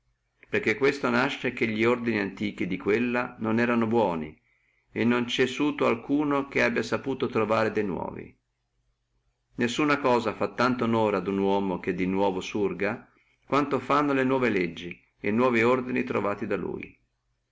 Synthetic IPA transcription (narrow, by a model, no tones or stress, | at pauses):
perk̟ːekːwest̪onaʃːekeʎːiord̪iniant̪iːk̟id̪ikwelːanonɛːɾanobwɔːni | enːont͡ʃɛsuːt̪oalkuːnok̟eabːjasapuːt̪ot̪ɾovaːɾed̪ejnwɔ̰ːvḭ | nesːuːnakɔːzafat̪ːant̪onoːɾad̪unwɔːmok̟ed̪inwɔːvosurɡa | kwant̪ofanːolenwɔːveled͡ʒːi | enːwɔːviord̪init̪ɾo̰vaːt̪id̪alṵːj